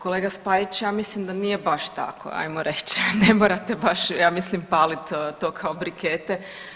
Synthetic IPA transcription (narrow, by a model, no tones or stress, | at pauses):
koleːɡaspaːjit͡ɕjaːmislimd̪aniːjebaʃt̪a̰kʰo̰a̰jmoɾet͡ɕnemoːɾat̪ebaʃjaːmislimpaːlit̪t̪o̞ːkʰaobɾiket̪e